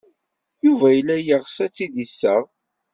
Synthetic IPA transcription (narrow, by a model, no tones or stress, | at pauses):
juvæjəlːæjəʁsæt͡sːid̪isːəʁ